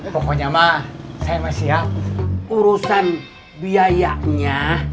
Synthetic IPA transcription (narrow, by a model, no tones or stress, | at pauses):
pɔkɔɲamasajmasiap̚uɾusan | biajaʔɲa